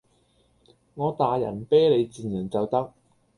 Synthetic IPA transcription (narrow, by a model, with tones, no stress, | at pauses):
ŋɔː˨˧t̪aː˨jɐ̰˨˩npɛː˥jle˨˧jt͡siː˨njɐ˨˩nt͡sɐ˨wt̪ɐ˥k̚